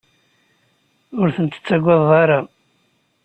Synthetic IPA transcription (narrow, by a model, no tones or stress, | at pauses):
ʊɾθənt̪ə̥t͡sːæɡʷːɑðˤːɑɾˤɑ